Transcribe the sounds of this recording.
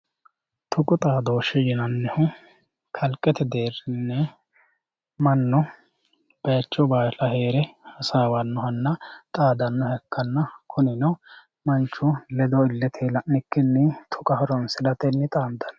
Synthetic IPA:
t̪ʰʊkʼʊt̪ʼaːd̪oːʃɪjɪnɐnːɛhʊ | kʰɐlkʼːɛt̪ɛd̪eːrɪnːɛ | mɐnːɔ | b̥ɐjt͡ʃːɔbaːlɐheːɾɛhɐsaːwɐnːɔhɐnːɐt̪ʼaːd̪ɐnːɔhɛkːɐnːɐkʰʊnɪnɔ | mɐnt͡ʃːʊlɛd̪ɔɪlːɛt̪ʰeːlɐʔnɪkːɪnːɪt̪ʰʊ̥kʼɐhɔɾɔnsɪlɐt̪ɛnːɪt̪ʼaːmd̪ɐn

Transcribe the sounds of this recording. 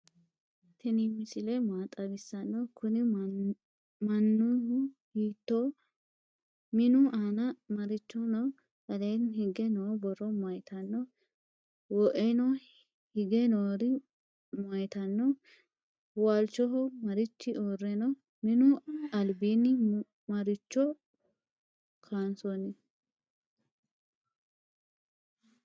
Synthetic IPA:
t̪ɪnimɪsɪlɛmaːt̪ʼɐbɪsːɐnːɔkʰʊnɪ | mɐnːunhiːt̪ːɔ | mɪnʊanɐmɐɾɪt͡ʃːɔnɐw | ɐd̪ɐjnhɪɡɛnɔbɔɾɔmɐjt̪ʰɐnːɔ | wɔʔɛnɔ | hɪɡɛnɔɾɪ | mɐjt̪ɐnːɔ | waːlt͡ʃːɔɦɔmɐɾɪt͡ʃːɪʔoːrːɛnɔ | mɪnʊɐlbiːnːɪ | mɐɾɪt͡ʃːɔ | kʰaːnsɔnɪ

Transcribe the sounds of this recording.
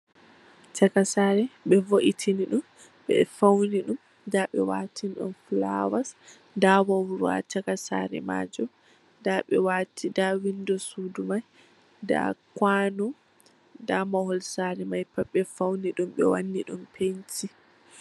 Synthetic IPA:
t͡ʃakasaːɾɛɓɛvoʔitʰiniɗum | ɓɛ̰fawniɗum | daɓɛwaːtʰinɗɔ̰nflawas | dawawuɾua̰t͡ʃakasaɾɛ̰ma̰ːd͡ʒɔ | daɓɛwatʰidawindɔsudumaj | da̰kwanu | damahɔlsaɾɛmajpaɓːɛfawniɗumɓɛ̰wanːiɗumpʰeɲt͡ʃi

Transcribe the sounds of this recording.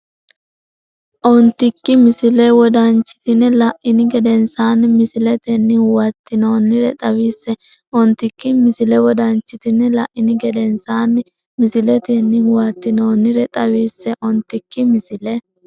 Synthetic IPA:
ʔɔnt̪ːɪkːɪmɪsɪlɛwɔd̪ɐnt͡ʃːɪ̥t̪ɪnːɛlɐʔɪnɪɡɛd̪ɛnsaːnmɪsɪlɛt̪ɛnːɪwat̪ːɪnoːnːɪɾɛt̪ʼɐwiːsːɛ | ʔɔnt̪ːɪkːɪmɪsɪlɛwɔd̪ɐnt͡ʃːɪt̪ɪnːɛlɐʔɪnɪɡɛd̪ɛnsaːn | mɪsɪlɛt̪ɛnːɪwat̪ːɪnoːnːɪɾɛt̪ʼɐwiːsːɛʔɔnt̪ːɪkːɪmɪsɪlɛ

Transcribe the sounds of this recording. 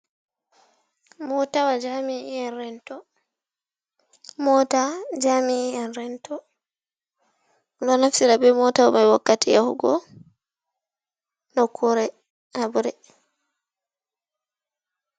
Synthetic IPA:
mɔtawad͡ʒamiiɛnɾɛntɔ | mɔtad͡ʒamiːɛnɾɛntɔ | nɔnaftiɾabɛmɔtawɔmajwakːatijahuɡɔ | nɔkʰuɾɛ | habuɾɛ

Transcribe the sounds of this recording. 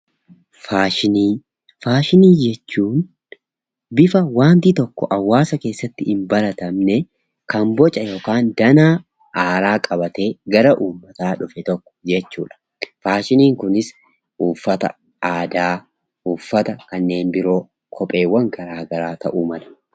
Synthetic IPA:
faːʃɪniː | faːʃɪniːd͡ʒɛt͡ʃːuːn | bɪfɐwaːnt̪ɪt̪ɔkːɔʔɐwːaːsɐke̞ːsːɐt̪ːɪhɪmbɐlɐt̪ɐmnɛ | kɐmbɔt͡ʃʼɐjoːkaːnd̪ɐnaː | aːɾaːkʼɐbɐt̪eːɡɐɾɐʔuːmːɐt̪aːᶑʊfɛt̪ɔkːɔ̥d͡ʒɛt͡ʃːuːᶑɐ̥ | faːʃɪniːŋkʊnɪs | uːfːɐt̪ɐ̰ | aːd̪aː | uːfːɐt̪ɐkɐnːe̞ːmbɪɾo̞ː | kʰɔpʼe̞ːwːɐŋɡɐɾaːɡɐɾaːt̪ɐ̰ʔuːmɐlɐ̥

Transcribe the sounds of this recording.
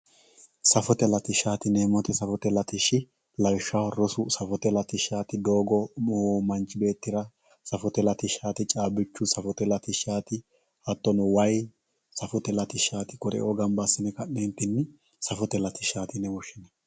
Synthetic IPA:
sɐfɔt̪ɛlɐt̪ɪʃːaːt̪ɪneːmɔt̪ɛsɐfɔt̪ɛlɐt̪ɪʃɪ | lɐwɪʃːɐwɾɔsʊsɐfɔt̪ɛlɐt̪ɪʃːaːt̪ɪd̪oːɡɔmɔmɐnt͡ʃːɪbe̞ːt̪ːɪɾɐ | sɐfɔt̪ɛlɐt̪ɪʃaːt̪ɪt͡ʃʼaːbɪt͡ʃːʊsɐfɔt̪ɛlɐt̪ɪʃːaːt̪ɪ | hɐt̪ːɔnɔwɐj | sɐfɔt̪ɛlɐt̪ɪʃːaːt̪ɪkʼɔɾɛ̰ʔɔɡɐmbɐsɪnɛkɐnɛnt̪ɪnːɪ | sɐfɔt̪ɛlɐt̪ɪʃːaːt̪ɪnɛwɔʃːɪnɐ

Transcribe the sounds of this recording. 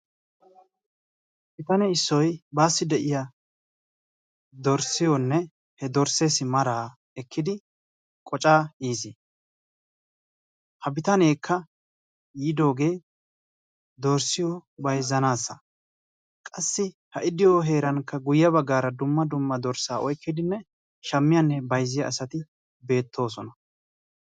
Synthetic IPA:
bɪt̪ɐnɛɪsːɔjbaːsːɪd̪ɛʔɪja | d̪ɔɾsɪjɔnːɛ | hɛd̪ɔɾse̞ːsɪmɐɾaː | ɛkːɪd̪ɪ | kʼɔt͡ʃʼaːiːzi | hɐbɪt̪ɐne̞ːkʰːɐ | jid̪o̞ːɡe̞ː | d̪ɔɾsːɪjɔbɐjzːɐnaːsːɐ | kʼɐsːɪ | hɐʔɪd̪ɪjoɦe̞ːɾɐŋkːɐɡʊjːɐbɐɡːaːɾɐd̪ʊmːɐd̪ʊmːɐd̪ɔɾsaːʔɔjkːɪd̪ɪnːɛ | ʃɐmːɪjɐnːɛbɐjzːɪjɐɐsɐt̪ɪ | be̞ːt̪ʰːo̞ːsɔnɐ

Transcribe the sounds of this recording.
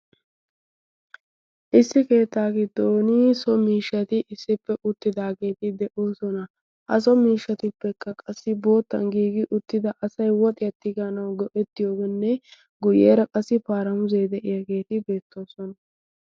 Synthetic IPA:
ʔɪsːɪke̞ːt̪ːaːɡɪd̪oːniːsɔmiːʃːɐt̪ɪʔɪsːɪpːɛʔʊt̪ːɪd̪aːɡe̞ːt̪ɪd̪ɛʔo̞ːsɔnɐ | ʔɐsɔmiːʃːɐt̪ɪpːɛkːɐkʼɐsːɪbo̞ːt̪ːɐ̰nɡiːɡɪʔʊt̪ːɪd̪ɐʔɐsɐjwɔt̪ʼɪjɐt̪ːɪɡanɐwɡɔʔɛt̪ːɪjo̞ːɡɛnːɛ | ɡʊjeːɾɐkʼɐsːɪpaːɾɐmʊzed̪ɛʔɪjɐɡe̞ːt̪ɪbe̞ːt̪ːo̞ːsɔnɐ

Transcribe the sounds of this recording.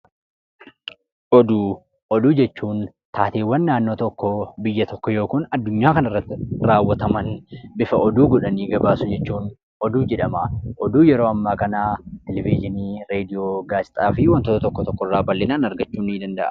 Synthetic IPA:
ʔɔd̪uː | ɔd̪uːd͡ʒɛt͡ʃːuːn | t̪ʰaːt̪eːwːɐnːaːnːoːt̪ɔkːɔbɪjːɐt̪ɔkːɔjo̞ːkuːnɐd̪ːʊɲːaːkɐnɐɪrːɐt̪ːɪɾaːwːɐt̪ɐmɐnbɪfɐʔɔd̪uːɡɔᶑɐniːɡɐbaːsʊd͡ʒɛt͡ʃːuːn | ɔd̪uːd͡ʒɛᶑɐmɐʔɔd̪uːjɛɾoːɐmːaːkɐnaːt̪ɛlɛvɪd͡ʒɪniːɾeːd̪ɪjoːɡaːsɪ̥t̪ʼaːfɪwɐnt̪ɔt̪t̪ɔkːɔt̪ɔkːɔrːaːbɐlːɪnaːnɐɾɡɐt͡ʃːuːniːd̪ɐnd̪ɐʔɐ̰

